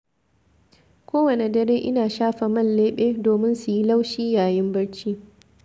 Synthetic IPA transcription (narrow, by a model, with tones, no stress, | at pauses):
kʷʰoː˦wɐ˨ne˨dɐ˦ɾeː˦ʔɪ˦naː˨ʃaː˦ɸa˨mɐ˦˨nleː˦ɓeː˦doː˨mɪ˦nsu˨ji˦la˦wʃiː˦jaː˨jɪ˦mbɐ˦ɽt͡ʃi˦